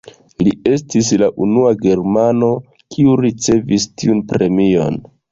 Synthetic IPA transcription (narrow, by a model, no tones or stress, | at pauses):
lie̞s̬tis̬laʔunuaɡe̞ɾmano̞ | kʰiuɾit͡se̞vistiunpɾe̞mio̞̰n